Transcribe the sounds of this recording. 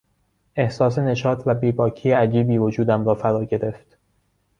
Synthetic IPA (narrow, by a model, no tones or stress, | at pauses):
ʔe̞hsɒːse̞ne̞ʃɒːt̪ʰvæbiːbɒːcʰiːjeæd͡ʒiːbiːvo̞d͡ʒuːd̪æmɾɒːfæɾɒːɟe̞ɾe̞ft̪